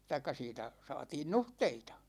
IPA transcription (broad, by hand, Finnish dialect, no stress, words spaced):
tɑikˑɑ siːtæ sɑ̝ːtiːn nuhteitɑ